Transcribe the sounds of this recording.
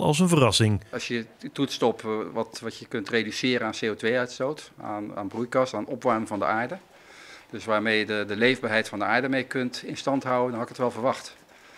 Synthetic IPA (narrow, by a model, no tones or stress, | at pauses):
lɑ̰lˠs̬ənvərɑsɪŋɑsjətutstɔpʋɑtʋɑtjəkɵntredysɪːɾəaːnsejotʋejœɥtstowta̰ːna̰ːnbrujkɑstaːnɔpʋɑɹmɪŋvɑndə̰ʔaːɹdə | d̥øsʋaːɹmejədədəlejvbaːɹɦɛjtfɑndəaːɹdəmejkɵntɪnstɑntɦʌwəndɑnɦɑɪkətʋɛlˠvəɹʋɑxt